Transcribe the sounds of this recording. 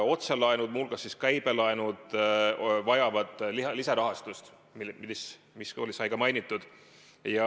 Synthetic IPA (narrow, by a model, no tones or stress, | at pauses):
o̞t̪selɑenud̪̥mulɡ̥ɑsːiskæjb̥e̞lɑenud̪̥ | vɑjɑvɑd̪̥llisɑɾɑɦɑst̪ust̪ | miis | miso̞lʲisɑjɡ̥ɑmɑjnit̪ˑːud̪̥ | jɑ